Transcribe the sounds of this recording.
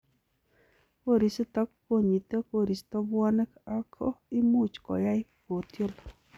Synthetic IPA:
ko˦ɾi˨st̪ɔ˦kko˦ɲi˨t̪e˦ko˦ɾi˨st̪ɔ˦bwɔ˦nɛ˦ka˦kʰɔ̰˦i˦mu˦t͡ʃkɔ̰˨ja˦ɪ˦ko˨t̪jo˦l

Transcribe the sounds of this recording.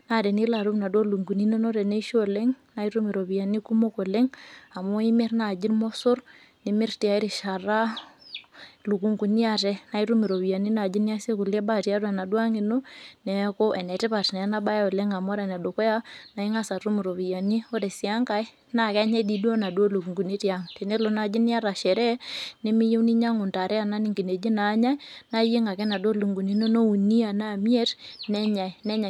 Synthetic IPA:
na˨de˨ni˦la˨ɾu˦mna˨do˦lu˨ŋɡu˨ni˦no˦no˦ɾɛ˨ne˦ʃo˦˨le˦ŋna˦i˦ɾu˦mi˨ɾo˨βi˨ja˨ni˦ku˦mo˦ko˨le˦ŋa˨mo˦i˦mɪ˦ɾna˨d͡ʒi˦nmo˦sʊ˦r | ni˨mɪ˦ɾti˨a˨i˦ɾi˨ʃa˨ra˦ | lu˨ku˨ŋɡu˨ni˦a˦tɛ˦na˨i˦ɾu˦mi˨ɾo˨bi˨ja˨ni˦na˨d͡ʒi˦ni˦a˦se˦ku˨le˦ba˦˨ti˨a˦ɾwa˨na˨dwa˦ŋi˨no˦nɛ˨˦kʊ˦ʔɛ˨nɛ˨tɪ˦pa˨tnɛ˨˦na˦ba˦ja˦ʊ˨le˦ŋa˨mɔ˦ɾɛ˨na˨do˨ko˦ja˦na˨i˦ŋa˦sa˨ɾu˦mi˨ɾo˨βi˨ja˨ni˦o˦ɾe˨sja˦ŋka˦j | na˦˨ka˦ɲɛ˦di˨dwo˦na˨do˦lu˨kŋɡu˨ni˦tja˦ŋte˨ne˦lo˨na˨˦d͡ʒi˦ni˦a˦ɾa˨ʃɛ˨ɾɛ˦nɪ˦mɪ˦je˦wni˦ɲa˦ŋʊ˨nta˨ɾɛ˦a˨na˦ni˦˨ŋɡi˨ne˨d͡ʒi˦naː˨˦ɲa˦jna˦je˦ŋa˨kɛ˦na˨do˦lu˨ŋɡu˨ni˦no˦no˦u˨ni˦a˨na˦˨mi˦ɛ˦tnɛ˦ɲa˨i˨nɛ˦ɲa˨

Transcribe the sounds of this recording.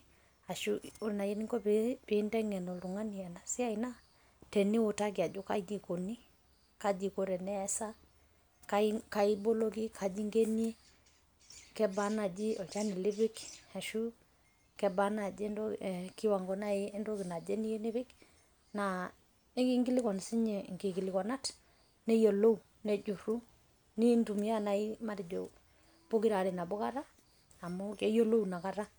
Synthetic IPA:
a˨ʃu˦u˦˨na˨je˦ni˦ŋɡɔ˦bbi˨˦ndɛ˦ŋɛ˨nɔ˨lu˨ŋa˦ni˨ɛ˨na˨si˦a˦i˨na˦ | tɛ˨ni˦wʊ˨ta˦ɡi˨a˨d͡ʒu˦ka˦d͡ʒi˨ko˨ni˦ | ka˦d͡ʒi˨ko˨ɾɛ˨nɛ˦ɛ˦sa˦ | ka˦ka˨i˦bo˦lo˦ɡi˦kʰa˨d͡ʒi˦ŋɡe˦ni˦e˦ | kɛ˦ba˦na˨d͡ʒi˦ɔ˨t͡ʃa˦ni˨li˦βɪ˦ka˨ʃu˦ | kɛ˨ba˦na˨d͡ʒi˦ndɔ˦˨ki˦wa˨ŋɡɔ˨na˦ɪ˦ndo˦ki˨na˨d͡ʒe˦ni˦e˦ni˦βɪ˦k | na˨ | e˦ki˦ŋɡi˦lɪ˦kɔ˨n˨si˦ɲɛ˨ŋɡi˨ki˨lɪ˨kɔ˨na˦t | nɛ˦jo˨lo˦u˨ | ne˨d͡ʒu˨ɾu˦ | ni˦ndu˨m˦ja˦na˨i˦ma˦ɾi˨d͡ʒo̰˨ | b̥o˦ki˦ɾa˨ɾɪ˨na˨bo˦ka˦ɾa˦ | a˨mo˦ke˦jo˦lo˦u˨na˨ka˦ɾa˦

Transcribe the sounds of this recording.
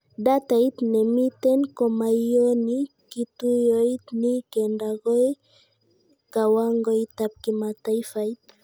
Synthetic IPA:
da˦t̪a˨i˦t̪nɛ˨mi˦t̪ɛ˦nkɔ˨ma˨ijo˦ni˦ | ki˨tu˦jo˦i˦tni˦kɛ˨nda˨ɣo˦j | ka˨wa˦ŋɡo˦i˦t̪a˨p̚ki˨ma˨ta˦i˦fa˨i˦t̪

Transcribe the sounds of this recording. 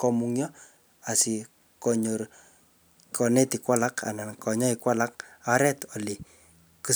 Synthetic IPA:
kɔ˨muŋjɔ˦ | a˨si˨ | kɔɲo˨r | kɔ˨ne˦ti˨kwa˦la˦kʰa̰˨na˨kɔ˨ɲɔ˦ikwa˦la˦k̚aɾɛ˦tɔ˨li˨ | ku˦

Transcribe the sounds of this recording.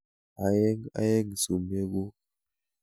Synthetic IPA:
a˨je˦ŋa̰˨˦je˦ŋ˨su˨me˦ɡo˦

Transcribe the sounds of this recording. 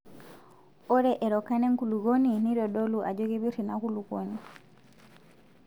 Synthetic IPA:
o˦ɾɛʔɛ˨ɾɔka˦nɛ˦ŋkuluɡo˦nini˦ɾɔɗo˦luʔa˨d͡ʒo˦ɡi˦βi˦ɾinaku˦luɡo̰ni

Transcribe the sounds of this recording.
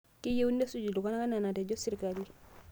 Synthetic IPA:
ki˦je˦wu˦nde˦su˦˨d͡ʒu˨du˨ka˦na˦ka˦na˨na˨te˨d͡ʒo˦si˦ɾka˨li˦

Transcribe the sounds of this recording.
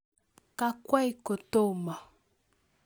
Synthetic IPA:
ka˦kwa˦i˦ko˨to˦˨ma˨

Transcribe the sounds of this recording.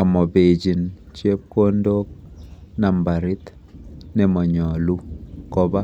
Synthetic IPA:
ɔ˨mɔ˨be˨d͡ʒi˨nt͡ʃje˦p̚ko˦ndo˦k̚na˨mba˨ɾɪ˦t̪ | nɛ˨mɔ˨ɲɔ˨lu˦kɔ˦ba˦

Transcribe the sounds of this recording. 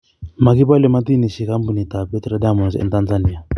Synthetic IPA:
ma˨ki˦pa˦lɛ˨ma˦t̪i˦ni˨ʃi˨ka˦mbu˨ni˨t̪a˨bɛ˦t̪ɾɛ˦da˦mɔ˨nsɛ̰˨nt̪a˦nza˦ni˨a˨

